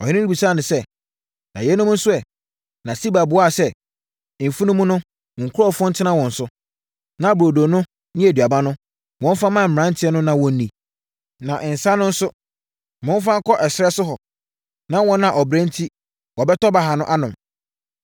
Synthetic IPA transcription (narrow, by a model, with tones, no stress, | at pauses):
ɔ˨hɪ̃˦nɪ̃˦ni˦bi˨sa˦˨nʊ̃˨sɛ˦ | nã̰˨jɛ˨˦nʊ̃˦m˦n̩˦sʊ˦ɛ˨ | nã˨si˦ba˨bʊ˦a˦˨sɛ˦˨ | m̩˨fu˦nʊ̃˦mũ˦nʊ̃˦˨ | ŋ̩˨kʰʊ˦ɾɔ˦˨fɔ̃˦n̩˦tʰɪ˦nã˦wɔ̃˨n̩˨sʊ˦ | nã˨bo˨do˨nʊ̃˦ | nɪ̃˦æ˨dɥa˨bã˦nʊ̃˦ | wɔ̃˦m˦fa˦mã˦˨m̩˨ɾã˦n̩˦tʰɪ˦ɛ˦nʊ̃˦nã˦wɔ̃˦n̩˦nːĩ˨ | nã˨ʔɪ̃˨n̩˨sã˦nːʊ̃˦n̩˦sʊ˦ | mʊ̃˦n˦fã˦kʰɔ˦ʔɛ˨sɪ˨ɾɛ˦sʊ˦ɦɔ˨ | nã˦wɔ̃˦nã˨ʔɔ˨bɾɛ̃˦n˦tʰi˦ | wɔ˨bɛ˦tɔ˦ba˨˦ɦa˨nʊ̃˦ʔa˦nʊ̃˨m